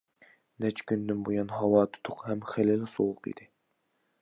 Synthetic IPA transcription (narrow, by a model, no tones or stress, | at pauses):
nɛt͡ʃkʲʰynd̪ɪnbujɑnɦɑwɑːt̪ʰu̥t̪ʰʊqhɛmχelɪlɪsowʊqḭd̪̥ɪ